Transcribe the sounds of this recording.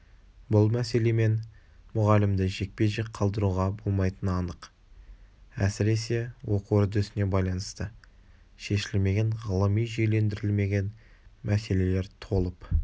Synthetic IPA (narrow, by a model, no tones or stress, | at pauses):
bʊlˠmæse̞le̞me̞n | mʊʁɑlɪmd̪ɪʒe̞k̚pe̞ʒek̚qʰɑlˠd̪əɾuʁɑbo̞lˠmɑjt̪ənɑnəq | æsɪɾe̞se̞wʔo̞quwʏɾd̪ɪʏsɪne̞bɑjlˠɑnəst̪ə | ʃe̞ʃɪlme̞ɡʲeɴʁəlˠəmijʒejle̞nd̪ɪɾɪlme̞ɡʲe̞n | mʔæse̞le̞le̞ɾt̪ʰo̞lˠəp